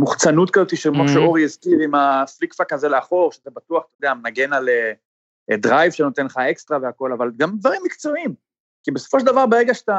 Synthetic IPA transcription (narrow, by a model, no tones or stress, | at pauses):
muχt͡sanut̪kazo̞t̪iʃekmoʃeo̞ʁiizkiʁimaflikfakaze̞leaχo̞ʁʃeat̪abat̪uaχt̪od̪eamenaɡe̞nale | dʁajvʃeno̞t̪enlχae̞kst̪ʁaveako̞lavalɡamd̪vaʁimːikt͡so̞im | kibeso̥foʃ̬eld̪avaʁbaʁeɡaʃḁt̪a